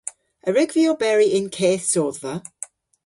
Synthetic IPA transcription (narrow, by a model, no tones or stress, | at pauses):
əɹɪɡviobɛɹiʔɪ̃nkʰeːθsɔːðvə